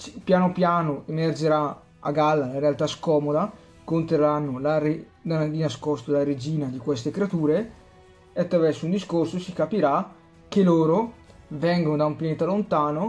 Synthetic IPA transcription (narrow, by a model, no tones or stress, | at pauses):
pjaːnopjaːnoemerd͡ʒeɾa | a̰ɡalːalaɾealt̪askɔːmod̪a | kont̪eranːolaɾe | d̪ad̪inaskɔst̪olaɾed͡ʒiːnad̪ikwest̪ekɾeat̪uːɾe | eat̪ːɾavɛrsound̪iskorsosikapiɾa | k̟ːeloːɾovɛŋɡonod̪aumpjaneːt̪alont̪aːno